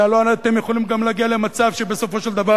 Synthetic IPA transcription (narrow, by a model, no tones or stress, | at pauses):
aloaat̪emjeχo̞limɡamlaɡiale̞mat͡savʃebe̞so̞fo̞ʃeld̪ava